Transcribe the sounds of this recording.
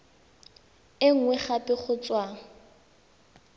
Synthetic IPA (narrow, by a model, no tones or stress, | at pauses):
ɪŋ̩ŋwɛχapʼɪχʊt͡sʼwaːŋ̩